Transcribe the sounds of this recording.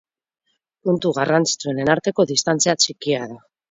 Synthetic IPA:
punt̪uɣarant͡si̥t͡sue̞nenaɾt̪e̞ko̞ðist̪ant͡siat͡ʃikiaða

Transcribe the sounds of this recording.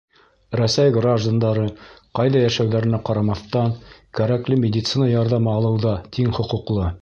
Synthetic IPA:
ɾæsæjɡraʒd̪ond̪ɑɾɤqɑjðɑjæʃæwðæɾɘ̆næqɑɾɑmɑθt̪ɑnkæɾæklɘmʲɪdʲɪt̪sɨnɑjɑɾðɑmɑːlˠɤ̆wðɑt̪ʰiŋχŏqŭqlˠɤ

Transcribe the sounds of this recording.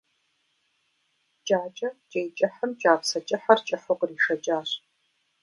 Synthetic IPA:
d͡ʒʼaːt͡ʃʼɐd͡ʒʼejt͡ʃʼɪħəmt͡ʃʼaːpsɐt͡ʃʼɪħɐrt͡ʃʼɪħʊqriːʂɐt͡ʃʼaːr

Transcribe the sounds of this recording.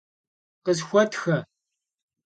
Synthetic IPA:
qəzxʷɔtʰxɐ

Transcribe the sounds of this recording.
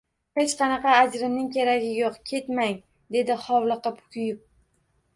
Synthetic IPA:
het͡ʃqʰɑnɑqɑːd͡ʒɾɪmnɪŋkʲʰeɾaɡʲɪjoqkʲʰe̞t̪maŋ | d̪e̞d̪ɪχɒwlˠɨqɨpkʰʲʊjʊp̚

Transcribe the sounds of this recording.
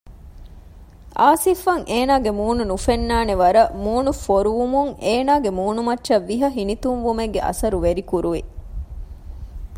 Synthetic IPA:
ʔaːsifɐŋʔeːnaːɡemuːnunufenːaːneʋɐɾɐmuːnufoɾuʋumuŋeːnaːɡemuːnumɐtːʃɐʋːiɦɐɦinit̪umʋumeɡːḛʔɐ̰sɐɾuʋeɾikuɾuʋi

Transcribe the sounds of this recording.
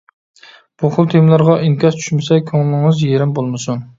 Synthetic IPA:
b̥uχʊlˠt̪ʰemlˠæɾʁɑʔinkʲɑst͡ʃ̪ʰy̥ʃmɪsɛkʲʰoŋlˠɪŋɨzjeɾɪmbolˠmɪsʊn

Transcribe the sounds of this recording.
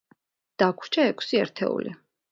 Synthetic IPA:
d̪̥akʰɾt͡ʃʰaɛkʰsiɛ̰ɾt̪ʰɛ̰ṵli

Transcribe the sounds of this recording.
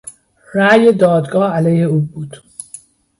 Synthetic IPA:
ɾæːjed̪ɒːd̪ɡɒːælejheuːbuːd̪̥

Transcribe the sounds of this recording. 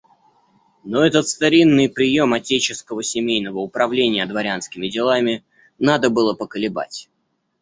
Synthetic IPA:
no̞ɛt̪ət̪st̪ɐɾʲinːɨjpɾʲɪjo̞mɐtʲet͡ɕɪskəvəsʲɪmʲejnəvəʊpɾɐvlʲenʲɪjəd̪vɐɾʲanskʲɪmʲɪdʲɪlˠamʲɪ | nad̪əbɨlˠəpəkəlʲɪba̰tʲ

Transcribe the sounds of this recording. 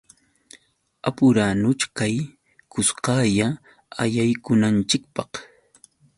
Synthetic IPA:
apʊɾaːnʊt͡ʃkaj | kʊsqɑja | ajajkʊnant͡ʃɪk̚pɑq

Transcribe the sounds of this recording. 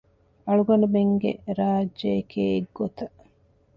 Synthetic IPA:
ɐɭuɡɐnubeŋɡḛɾaːd͡ʒːekʰeːɡːot̪ɐ

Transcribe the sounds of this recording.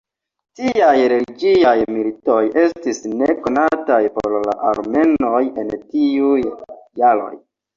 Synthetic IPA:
tiajɾe̞liɡiajmilito̞je̞stisneko̞natajpo̰ɾla̰ʔaɾme̞no̞je̞ntiujːalo̞̰j

